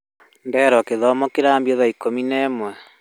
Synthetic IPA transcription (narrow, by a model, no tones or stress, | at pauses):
nbɛɾɔkeðɔmɔkeɾaːmbiɔðaikominɛːmwɛ